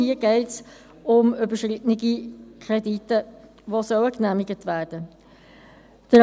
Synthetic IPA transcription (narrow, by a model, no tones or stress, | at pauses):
iəɡɛɪts | ʊmʏbəʃʁɪtnɪɡikʰɾɛditːə | ʋosœʊəknæmɪɡətʋæːɾd̥ə | d̥əɾ